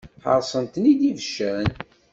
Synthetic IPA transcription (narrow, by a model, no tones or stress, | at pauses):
ħə̰ɾˤsˤənt̪ənid̪ivəʃːəɾən